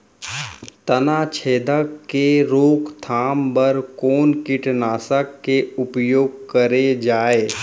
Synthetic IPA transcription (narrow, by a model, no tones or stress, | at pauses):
t̪ɐnaːt͡ʃʰeːd̪əkkeɾoːkt̪ʰaːmbɐɾkɔːnkɪʈnaːsəkːeʊpjoːɡ̚kəɾed͡ʒaːeː